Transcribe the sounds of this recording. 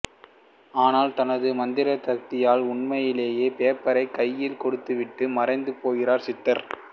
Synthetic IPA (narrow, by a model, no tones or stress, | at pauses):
aːnaːlt̪ɐnɐðɯmɐnd̪ɪɾɐt̪ɐk̚t̪ɪjaːlʊɳmɐjɪleːjeːpeːpːɐɾɐɪkɐjːɪlkɔɽɯt̪ːɯʋɪʈːɯmɐrɐɪnd̪ɯpoːɣɪɾaːɾsɪt̪ːɐɾ